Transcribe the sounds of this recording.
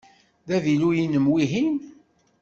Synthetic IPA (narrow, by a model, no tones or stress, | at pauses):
ðæðilujinəmwiɦin